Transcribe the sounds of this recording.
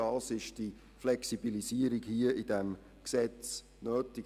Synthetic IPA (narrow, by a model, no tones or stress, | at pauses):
ɑsɪʃd̥i | flɛksibilisiəɾiɡhiəʔid̥ɛm | ksɛt͡s | nøːtɪ